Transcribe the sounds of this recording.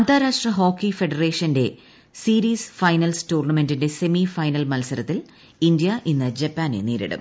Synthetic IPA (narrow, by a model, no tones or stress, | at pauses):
ɐnt̪aːɾaːʂʈrɐɦo̞ːkːife̞ɖɐreːʂɐnde̞ | siːɾiːsfɐjnɐlstuːrɳɐme̞ndinde̞se̞mifɐjnɐlmɐlsɐɾɐt̪ːil | indjɐʔinːɨd͡ʑepːaːnḛneːɾḭɽɨ̰m